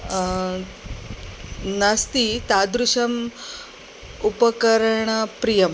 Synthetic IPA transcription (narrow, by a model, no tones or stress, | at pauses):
nɐst̪it̪ad̪ɾuʃɐm | upɐkɐɾɳɐpɾijɐm